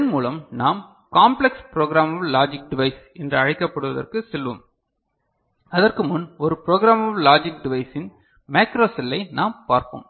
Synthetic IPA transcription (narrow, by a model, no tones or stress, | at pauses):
ɐnmuːlɐmnaːm | kaːmplɛkspɪɾoːɡɾaːmɐʋlaːd͡ʒɪk̚ɖɪʋɐɪs | ɛndrɐɐɻɪkːɐpːɐɽɯʋɐðɐ̰rkɯsɛlʋɯ̰m | ɐðɐrkɯmʊnɔɾɯpɪɾoːɣɪɾaːmɐʋlaːd͡ʒɪk̚ɖɪʋɐɪsɪn | meːkɾoːsɪlːɐɪnaːmpaːɾpo̰ːm